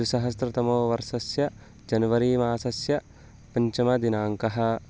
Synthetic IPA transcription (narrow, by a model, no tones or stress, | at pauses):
usɐɦɐst̪ɾɐt̪ɐmoːʋɐɾʃɐsjɐ | d͡ʒɐnɐʋɐɾiːmaːsɐsjɐ | pɐɲt͡ʃɐmɐd̪inaːŋkɐɦɐ̆